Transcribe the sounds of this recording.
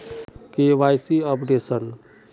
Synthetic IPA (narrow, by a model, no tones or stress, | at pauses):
keʋajsiəpɖesən